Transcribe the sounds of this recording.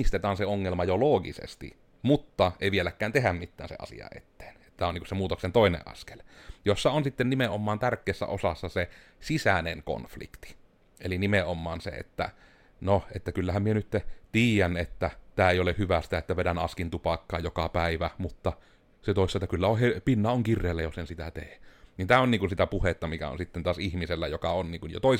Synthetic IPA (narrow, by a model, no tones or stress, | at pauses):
st̪et̪ɑːnseoŋːelmɑjoloːɡḭsḛst̪ḭ | mut̪ːɑʔḛˑiʋielækˑːæːnt̪ehæmmit̪ːæːnsḛɑ̰sḭɑ̰ʔḛt̪ːe̥ːn | t̪æːoniŋkusemuːt̪oksent̪oˑinḛʔʔɑ̰ske̥ljosːɑonsit̪ːennimeʔomːˑɑːnt̪ærkːˑeːsːæ̰o̰sɑsːɑsesisæneŋko̰nflḭkt̪i̥ | ḛlinimeomːˑɑːnsḛḛt̪ːæ̰ | noet̪ːækylːæhæmmienyt̪ːet̪iːjænet̪ːæt̪æːeijolehyʋæst̪æet̪ːæʋedænɑskint̪upɑkːɑ̰ːjokɑpæˑiʋæmut̪ːɑ | set̪oˑisːɑt̪ːækylːæohepinːɑoŋkirːeːlːæjosensit̪æ̰t̪eːnint̪æːoniːŋkunsit̪æpuhet̪ːɑmikæ̰o̰nsit̪ːent̪ɑːˑsihmiselːæjokɑ̰onniːŋkunjo̰t̪oˑis